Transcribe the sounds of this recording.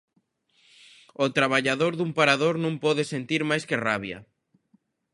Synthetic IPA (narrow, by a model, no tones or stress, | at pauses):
ot̪ɾaβaʎaðoɾðumpaɾaðoɾnũmpɔðɪsent̪iɾmajskɪraβjɐ̰